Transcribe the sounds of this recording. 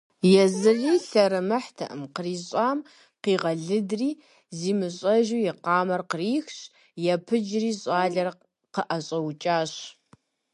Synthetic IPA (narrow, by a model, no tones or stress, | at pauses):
jɛzɨriːɬɐɾɨmɐħtʰɐ̰ʔɨmqəriːɕʼɑːm | qiːʁɐɮɨdriː | ziːmɨɕʼɐʒuːjɛqɑːmɐrqəriːxɕ | jɛpʰɨd͡ʒriːɕʼɑːɮɐr | qəʔɐɕʼɐwt͡ʃʼaːɕ